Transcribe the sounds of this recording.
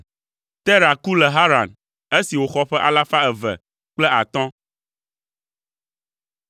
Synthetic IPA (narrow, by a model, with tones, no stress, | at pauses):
t̪ɛ˦ɾa˨ku˦lɛ˨ɦa˦ɾa˨n | e˦si˨wo˨xɔ˦ɸɛ˦ʔa̰˦la˦fa˦ɛ˨vɛ̰˨ | k͡plɛ˦a˨t̪ɔ̃˦